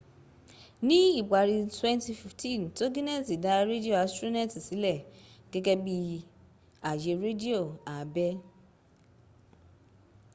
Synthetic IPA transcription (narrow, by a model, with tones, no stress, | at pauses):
nĩ˦i˦˨ɡ͡ba˨ɾi˧twɛ̃˦nti˧fi˨ftĩ˦˨nto˦ɡĩ˦ne˦˨si˨da˨˦ɾe˦di˦o˦˨a˨˦stɾu˦nɛ˦˨ti˨si˨˦lɛ˦˨ɡ̥ɛ˦ɡɛ˧bi˧ | a˨je˧ɾe˦di˦o˦˨a˨˦bɛ˦